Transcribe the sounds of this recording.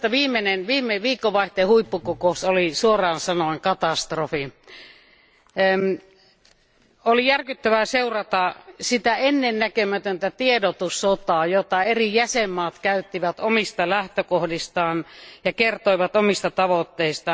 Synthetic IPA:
t̪ːæʋiːmːenenʋiːmːˑeʋiːkːoʋɑˑiht̪ˑeːhuipːukokousolisuorˑɑːnsɑnoɑŋkɑt̪ɑst̪rofi | olijærkyt̪ːæʋæseurɑt̪ɑsit̪æenːennækømæt̪ønt̪æt̪iedot̪usːot̪ɑːjot̪ːɑerijæsemːɑːt̪kæyt̪ːiʋæt̪omist̪ɑlæht̪økohdist̪ɑːnjɑkert̪oiʋɑt̪omist̪ɑt̪ɑʋot̪ːeist̪ɑ

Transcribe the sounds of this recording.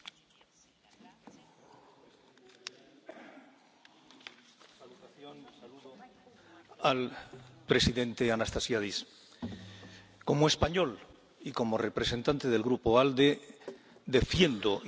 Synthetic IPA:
salut̪aθjonsaluðo | alpɾe̞siðent̪eanast̪asjaðis | ko̞moespaɲo̞l | iko̞more̞pɾese̞nt̪ant̪e̞ð̞e̞lɣɾupoald̪e̞ | d̪e̞fje̞nd̪o

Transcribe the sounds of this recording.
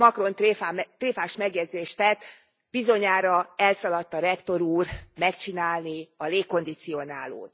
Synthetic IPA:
mɒkro̞nt̪ːat̪reːfaːʃmɛɡjɛd̪zeːʃt̪ɛt̪ː | b̥izo̞ɲaːɾɒɛlsɒlɒt̪ːɒɾɛkt̪o̞ɾuːrmɛkt͡ʃinaːlniɒleːkːo̞nd̪it̪sio̞na̰ːlo̰ːt̪

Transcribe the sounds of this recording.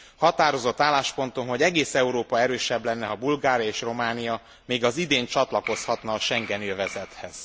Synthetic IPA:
hɒt̪aːɾo̞zo̞t̪ːaːlːaːʃpo̞nt̪onɦo̞ɟɛɡeːsɛuɾoːpɒɛɾøːʃɛblɛnːɛɦɒbulɡaːɾjɒeːʃro̞maːnijɒ | meːɡɒzid̪eːɲt͡ʃɒt̪lɒko̞shɒt̪nɒːʃɛŋɡɛnjøvɛzɛt̪hɛz̥

